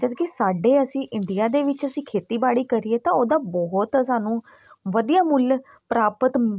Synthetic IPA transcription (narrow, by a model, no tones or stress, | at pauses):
t͡ʃəd̪kɪsaːɖeːəsĩːʔɪɳɖɪjaːd̪eːʋɪt͡ʃəsĩːkʰeːt̪iːbaːɽiːkəɾieːt̪ãːoːd̪aːbɔɦʊt̪əsaːnũː | ʋəd̪ijaːmʊl | pəɾaːpət̪